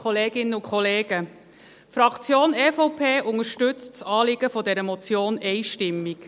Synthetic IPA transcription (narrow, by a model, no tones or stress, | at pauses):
χɔleːɡ̥ɪnːəʊkχɔleːɡə | fɾɑkt͡sjoːnɛfɔʊpʰeːʔʊŋəɾʃtʏt͡st͡sɑːlɪɡ̥əfɔdɛɾəmɔt͡sjoːnɛɪʃtɪmːik